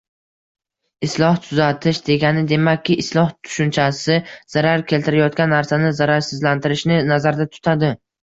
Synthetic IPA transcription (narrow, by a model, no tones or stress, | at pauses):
ɪslˠɒht̪ʰʊzat̪ʰɪʃd̪e̞ɡʲanɪd̪e̞makʲʰːɪʔɪslˠɒht̪ʰʊ̥ʃʊnt͡ʃʰasɪz̥aɾaɾkʲʰe̞lt̪ɪɾajɒt̪̚kʲanːaɾsanɪzaɾaɾsɪzlant̪ʰɪɾɪʃnɪnazaɾd̪at̪ʰʊ̥t̪ʰad̪ɪ